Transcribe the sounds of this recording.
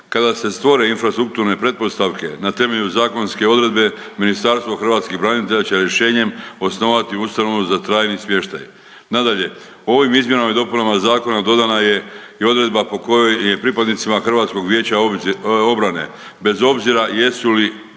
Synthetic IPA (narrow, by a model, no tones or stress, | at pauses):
kad̪ase̞st̪ʋo̞ɾe̞infɾast̪ɾuk̚t̪uɾne̞pɾe̞t̪̚po̞st̪aʋke̞̰nat̪e̞me̞ʎuzaːko̞nske̞o̞d̪ɾe̞d̪be̞ | minist̪aɾst̪vʋoxr̩ʋaːt̪skibɾaːnit̪e̞ʎat͡ɕe̞ɾje̞ʃe̞ːɲe̞mo̞sno̞ːʋat̪iust̪ano̞ʋuzat̪ɾaːjnismje̞ʃt̪a̰j | nad̪aʎe̞ | oo̞ʋimizmje̞namid̪o̞punamazaːko̞nad̪o̞d̪anaje̞io̞d̪ɾe̞d̪bapo̞kojoje̞pɾipad̪nit̪simaxr̩ʋaːt̪sko̞ɡʋje̞ːt͡ɕao̞bɾane̞̰ | be̞zo̞bziɾaje̞suli